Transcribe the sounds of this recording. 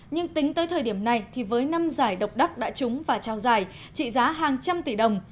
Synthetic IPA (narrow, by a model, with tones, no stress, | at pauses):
ɲɨ˧ŋt̪ï˨˦ŋ̟t̪əː˨˦jt̪ʰəː˨˩jɗi˧˩əmna˨˩jt̪ʰi˨˩vəː˨˦jna˧mzaː˧˩jɗə˨˩wk͡p̚ɗa˦˥k̚ɗa̰ː˧˥t͡ɕʊ˨˦ŋ͡mvaː˨˩t͡ɕa˧wzaː˧˩j | t͡ɕḭ˧˨zaː˨˦ɦaː˨˩ŋt͡ɕa˧mt̪i˧˩ɗə˨˩wŋ͡m